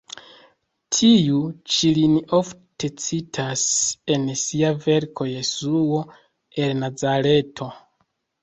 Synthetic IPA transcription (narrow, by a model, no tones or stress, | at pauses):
tʰiut͡ʃilinio̞fte̞t͡sitʰase̞nsiave̞ɾkʰo̞je̞suo̞ | e̞lnazaɾe̞tʰo̞